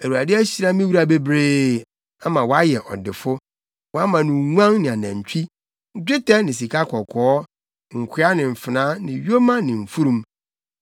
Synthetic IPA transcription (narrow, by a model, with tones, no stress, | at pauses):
æ˨wu˨a˨dɪ˦æ˦ɕi˨ɾa˦mĩ˦wu˦ɾa˨be˦bɾeː˦ | a˦mã˨wɔ˨˦a˦jɛ˨ʔɔ̰˨dɪ˨fʊ˦ | wɔ˨˦a˦mã˨nʊ̃˨ŋʷ˦ã˦ŋnɪ̃˨a˨nã˨ɲ˨t͡ɕʰᶣi˦ | d͡ʑᶣɪ˦tʰɛ˦nɪ̃˨s̬i˨kʰa˦kʰɔ˨kʰɔː˨˦ | ŋ̩˨kʷʰɪ˦a˦nɪ̃˨m̩˨fɪ˨nã˦nɪ̃˨ɥo˦mã˦nɪ̃˨ɱ̩˨fu˦ɾũ˦m